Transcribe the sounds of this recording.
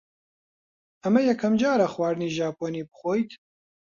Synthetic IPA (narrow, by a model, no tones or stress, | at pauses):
ɐmɐjɛkʰɐmd͡ʒaːɾɐxwaːɾniːʒaːpʰoːniːbɨxoːjt̪